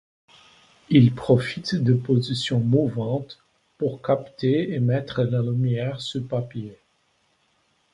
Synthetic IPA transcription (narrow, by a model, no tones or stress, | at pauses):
ilpχɔfit̪d̪əpozisjɔ̃muvɑ̃t̪ | puʁkapt̪eemɛt̪χəlalymjɛʁsupapje